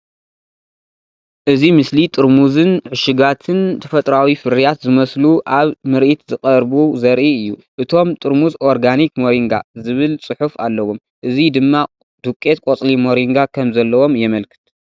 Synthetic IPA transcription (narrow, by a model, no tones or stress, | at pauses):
ʔɨzimɨslit̪ʼɨɾmuzɨnʕɨʃɪɡat̪ʰɨnt̪ʰɐfɐt̪ʼɾawifɨɾijat̪zɨmɐsluʔaβmɨɾʔit̪zɨqʼɐɾbuzɐɾʔiɨjːuʔɨt̪ʰo̞mt̪ʼɨɾmuzʔo̞ɾɡanikmoɾiŋɡa̰zɨβɨlsʼɨħufa̰lːɐwom | ʔɨzid̪ɨmːa | d̪̥ukʼːe̞t̪̚kʼot͡sʼlimo̞ɾiŋɡakʰɐmzɐlːɐwo̞mjɛmɐlkʰɨ̥t̪̚